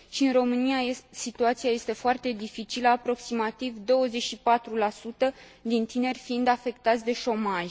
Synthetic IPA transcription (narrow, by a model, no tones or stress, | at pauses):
ʃiɨnro̞mɨniaesit̪uat̪siaje̞st̪e̞foart̪e̞d̪ifit͡ʃiləapɾo̞ksimat̪ivd̪o̞wəze̞t͡ʃʃipat̪ɾulasut̪əd̪int̪ine̞rʲfiind̪afe̞kt̪at̪sʲd̪e̞ʃo̞maʒ